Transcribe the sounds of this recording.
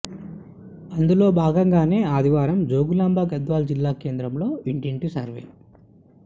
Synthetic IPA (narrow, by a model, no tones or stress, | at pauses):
ɐnd̪ulo̞ːbʱaːɡɐŋɡaːne̞ːaːd̪ʱiʋaːɾɐmd͡ʒo̞ːɡulaːmbʱaːɡɐd̪ʋaːld͡ʒilːaːke̞ːnd̪ɾɐmlo̞ːiɳʈiɳʈisɐ̰ɾʋḛː